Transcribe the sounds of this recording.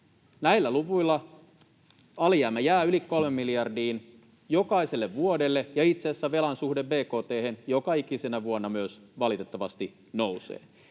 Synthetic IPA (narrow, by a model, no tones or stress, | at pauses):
næilːæluʋuilːɑ | ɑliæːmːæjæːylikko̞lme̞mːiliɑrdiːn | jo̞kɑise̞lːeʋʋuodelːejɑit̪seːsːæʋe̞lɑnsuhde̞ʋbe̞ːko̞ːt̪eːhenjo̞kɑikisenæʋuonːɑmyøsʋɑlit̪e̞t̪ːɑʋɑst̪i | no̞wsḛː